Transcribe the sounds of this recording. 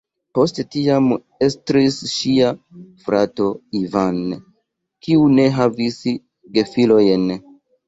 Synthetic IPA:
po̞stetiam | e̞stɾisʃiafɾato̞ivan | kiune̞ɦavis | ɡe̞filo̞jn

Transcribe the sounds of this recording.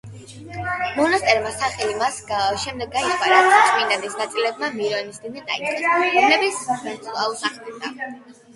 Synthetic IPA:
mɔnast̪ʼɛɾmasaχɛlimasʃɛmd̪ɛɡːait̪ʰvaɾak̪ʼminad̪isnat̪sʼilɛb̚mamiɾɔnisd̪inɛa̰it̪χʼɛɾɔmlɛbit̪snat̪sɔnalˠuɾsaχid̪a

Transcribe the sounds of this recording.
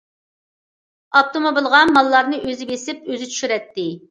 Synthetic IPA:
ɑp̚t̪ʰomobilˠʁɑnmɑlˠːɑɾnɨʔøzɪbesɪpøzɪt͡ʃʰy̥ʃyɾɛt̪ːɪ

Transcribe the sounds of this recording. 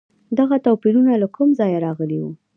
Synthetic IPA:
d̪aɣat̪awpiɾunalakʊmzɑjaɾɑɣəliwu

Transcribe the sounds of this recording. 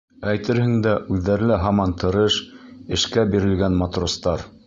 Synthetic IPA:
æjt̪ɘɾhɘ̆ŋd̪æʔʉðːæɾlɘɦɑmɑnt̪ɤ̆ɾɤʃɘ̆ʃkæbiɾɘ̆lɡænmɑt̪rost̪ɑɾ

